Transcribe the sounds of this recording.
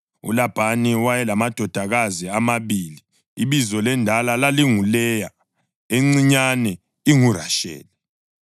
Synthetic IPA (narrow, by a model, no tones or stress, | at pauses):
ṵlab̥ʱaniwajɛlamad̥ʱɔd̥ʱaɣaziamaβiːli | iβizɔlɛndʱalalaliŋulɛja | eŋ͡ǀiɲanɛ | iŋura̰ʃɛ̰ːlɛ